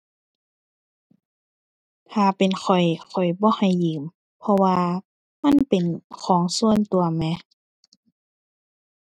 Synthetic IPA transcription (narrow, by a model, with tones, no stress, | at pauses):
t̪ʰaː˨˩pe˨nxʰɔ˨˩jxʰɔ˨˩jbɔː˧˦ha˨˩jːɯː˨˦m | pʰɔ˧waː˧ | ma˧˥˨npe˨nkʰɔː˨˦ŋsu˧˥˨ənt̪u˨˩ɐmɛ˧˥